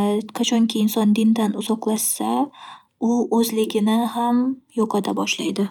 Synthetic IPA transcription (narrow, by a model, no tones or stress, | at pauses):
qʰat͡ʃʰɒŋkʲʰiɪnsɒnd̪ɪnd̪anʊzɒqlˠaʃsa | ʊɵzlɪɡʲɪnɪhamjɒqʰɑd̪abɒʃlajd̪ɪ